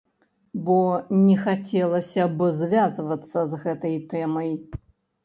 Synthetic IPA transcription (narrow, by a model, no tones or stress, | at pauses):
bɔnʲɛxat͡sʲɛlˠɐsʲɐbɨzvʲazvɐt̪sːɐzɣɛt̪ɐjt̪ɛmɐj